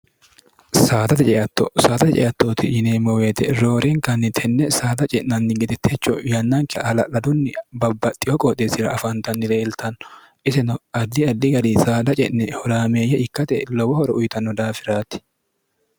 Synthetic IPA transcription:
saːt̪ɐt̪ɛt͡ʃʼɛʔɐt̪ːɔsaːt̪ɐt̪ɛt͡ʃʼɛ̰ʔɐt̪ːoːt̪ɪ̰jɪneːmɔweːt̪ɛɾoːɾɛŋkɐnːɪt̪ʰɛnːɛsaːd̪ɐt͡ʃʼɛʔnɐnːɪɡɛd̪ɛt̪ʰːɛt͡ʃːɔjɐnːɐŋkɛɐlɐlɐd̪ʊnːɪbɐbːɐt̪ʼːɪjɔkʼɔt̪esɪɾɐ̰ɐfɐnt̪ɐnːɪleːlt̪ɐnːɔ̥ | ʔɪsɛnɔɐd̪ːɪɐd̪ːɪɡɐd̪isaːd̪ɐt͡ʃʼɛ̰ʔnɛhɔɾaːmeːjːɐʔɪkːɐt̪ɛ̰lɔbɔhɔɾɔʔʊjt̪ɐnːɔd̪aːfɪɾaːt̪ːɪ̥

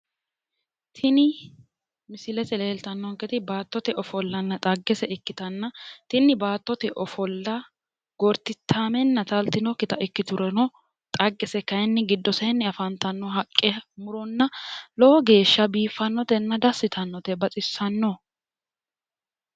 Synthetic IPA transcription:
t̪ʰɪnɪ | mɪsɪlɛt̪ɛleːlt̪ɐnːɔŋkɛt̪ɪbaːt̪ːɔt̪ɛʔɔfɔlːɐnːɐt̪ʼɐɡːɛsɛʔɪkːɪt̪ɐnːɐt̪ɪnːɪbaːt̪ːɔt̪ɛʔɔfɔlːɐ | ɡ̥ɔɾt̪ːɪt̪ʰːaːmɛnːɐt̪ɐlt̪ːɪnɔkːɪt̪ɐʔɪkːɪt̪ʊɾɛnɔ | t̪ʼɐɡːɛsɛkɐjɛnːɪɡɪd̪ːɔsɐɛnːɪɐfɐnt̪ɐnːɔɦɐkʼːɛmʊɾɔnːɐlɔɔɡe̞ːʃːɐbiːfːɐnːɔt̪ɛnːɐd̪ɐsːɪt̪ʰɐnːɔt̪ɛbɐt͡sʼɪsːɐnːɔ

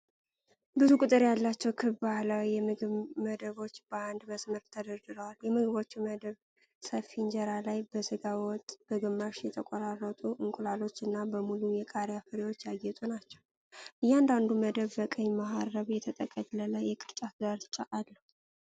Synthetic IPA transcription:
bɨzukʼʊt̪ʼɨɾjalːat͡ʃːɛwkʰɨβbahlawiːɛmɨɡɨβməd̪əβo̞t͡ʃːb̥əand̪məsməɾt̪ʰːəd̪əɾd̪ɨɾəwaljɛmɨɡɨβo̞t͡ʃːməd̪əβ | səfind͡ʒɛɾalajbəsɨɡawɔt̪ʼb̥əɡɨmːaʃjɛt̪ʰəkʼɔɾarːət̪ʼuʔɨŋkʼulalo̞t͡ʃːɨnːabəmulujɛkʼaɾjafɨɾewo̞t͡ʃːjaɡːɛt̪ʼunat͡ʃːɛw | ʔɨjːɛand̪and̪uməd̪əβːəkʼəɲːmaɦarːəβjɛt̪ʰət̪ʼəkʼəɡlələjɛkʼɨɾt͡ʃʼat̪ɡaɾt͡ʃʼːaʔalːəh

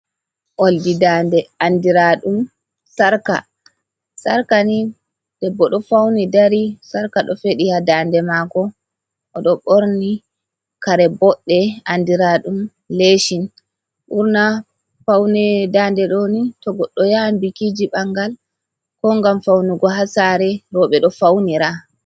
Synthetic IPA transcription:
ʔoldidandɛandiɾaɗum | saɾka̰ | saɾkani | dɛbɔɗɔfawnidaɾisaɾkaɗɔfeɗihadaːndɛmakɔ | ʔɔɗɔɓoɾni | kaɾɛbɔɗːɛandiɾaɗum | leʃin | ɓuɾna | fawnɛdaːndɛɗɔnitɔɡɔɗːɔjambikid͡ʒiɓaŋɡal | kɔŋɡamfawnuɡɔɦasaɾɛɾɔɓɛɗɔfawniɾa

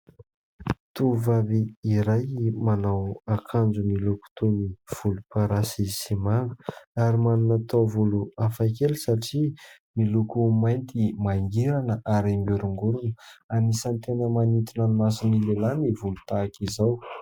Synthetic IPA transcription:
t̪uvaɾiiɾajmanawakʰand͡ʒumiluku̥t̪univ̥ulupaɾasisimanu̥aɾimaninat̪ovuluafajkelisaʈ͡ʂi | milukumajnt̪ʰimaiŋɡiɾanəʔaɾimbuɾuŋɡuɾunəanisant̪enəmanit̪inanimasinilelanivulut̪aːkizaw

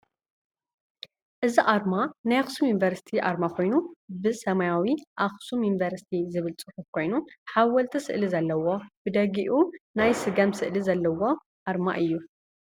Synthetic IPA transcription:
ʔɨziʔaɾmanajaxsumjunivɐɾsi̥t̪ʰiʔaɾmakʰo̞jnubɨsɐmajawiʔaxsumjunivɐɾsi̥t̪ʰizɨβɨlt͡sʼɨħufkʰo̞jnuħawɐlt̪ʰɐsɨ̰ʔlizɐlːɐwo̞b̥ɨd̪ɐɡiʔunajsɨɡɐmsɨʔlizɐlːɐwo̞ | ʔaɾma̰ʔɨjːu

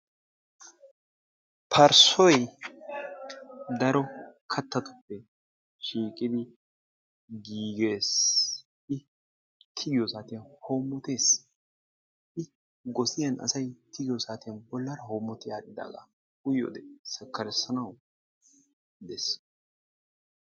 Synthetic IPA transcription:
pʰɐɾsɔj | d̪ɐɾɔkʰɐt̪ːɐt̪ʊ̥pːɛ | ʃiːkʼɪd̪ɪ | ɡiːɡe̞ːs | ɪ | t̪ʰɪɡɪjɔsaːt̪ɪjɐhoːmːɔt̪eːs | ʔɪ | ɡɔsɪjɐnʔɐ̰sɐjt̪ʰɪɡɪjɔsaːt̪ɪjɐnbɔlːɐɾɐɦoːmːɔt̪ɪjaːd̪ɪd̪a̰ːɡɐ̰ | ʊjo̰ːd̪ɛsɛkːɐɾɛsɐnɐw | d̪ɛs

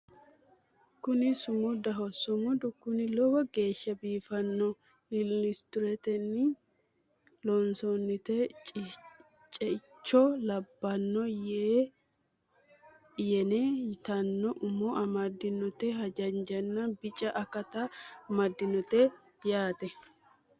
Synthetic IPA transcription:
kʊnɪsʊmʊd̪ɐɦɔsʊmʊd̪ʊkːʊnɪlɔɡɔɡe̞ːʃːɐbiːfɐnːɔ | ɪlɪst̪ʊɾɛt̪ɛnːɪ | lɔnsɔnːɪt̪ɛ | t͡ʃʼɛt͡ʃːɔlɐbːɐnːɔjeː | jɛnɛɪt̪ɐnːɔʔʊmɔʔɐmɐd̪ːɪnɔt̪ɛɦɐd͡ʒɐnd͡ʒɐnːɐbɪt͡ʃʼɐʔɐkɐt̪ɐmɐd̪ːɪnɔt̪ɛ | jaːt̪ɛ

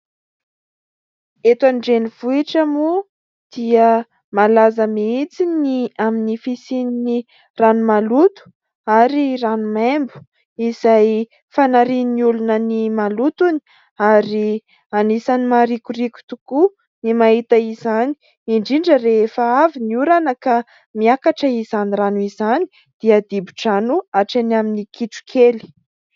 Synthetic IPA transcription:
et̪anɖ͡ʐeniv̥uiʈ͡ʂamu | d̪̥iə | malazəmiit͡siniaminifisinini | ranumalut̪u̥ | aɾiranumembu̥ | izaj | fanaɾininiulunənimalut̪uni̥ | aɾi | anisanimaɾikuɾikʲu̥t̪uku | nimaɦit̪əizani̥ | iɳɖ͡ʐiɳɖ͡ʐəɾeefaaviniuɾanəka | miakaʈ͡ʂəizaniranuizani̥ | d̪̥iad̪ibi̥ʈ͡ʂanuaʈ͡ʂanaminikʰiʈ͡ʂu̥kʰeli̥

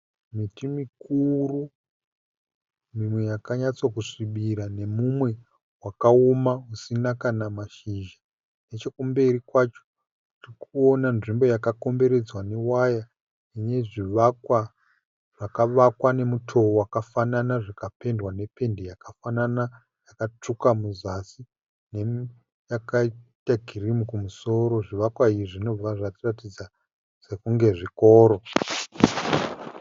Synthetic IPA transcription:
mitimikuru | mimwe̞jakaɲat͡sokuʂiɓiɾane̞mumwe̞ | wakaomausinakanamaʃiʒa | ne̞t͡ʃo̞kumbe̞rikwat͡ʃo | tirikʰuo̞nanʐimbo̞jakako̞mbe̞ɾe̞d͡zwane̞waja | ineʐiʋakwa | ʐ̥akaʋakwane̞mutʰo̞wakafananaʐakape̞ndwane̞pe̞ndejakafanana | jakat͡ʂukamuzasi | ne | jakaitaɡʱirimukumuso̞ɾo̞ʐiʋakwaiiʐino̞b͡vaʐatiratid͡za | se̞kuŋɡe̞ʐikoːɾo̞

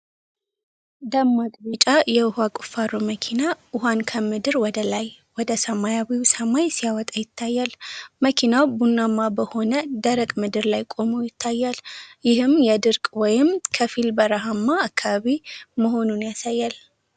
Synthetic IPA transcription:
d̪amːakʼbit͡ʃʼajɛʊhakʼu̥faɾuməkʰinaʔʊɦankʰəmɨd̪ɨɾwɔd̪əlaj | wɔd̪əsəmajawiwsəmajsijawɔt̪ʼajɪt̪ʰːajːalməkʰinawbunːamːabəho̞nəd̪əɾəkʼmɨd̪ɨɾlajkʼo̞mujɪt̪ʰːajːaljɪhɨmjɛd̪ɨɾkʼwɔjɪmkʰəfilbəɾəɦamːaːkʰːaβaβiməɦo̞nunjasajːal

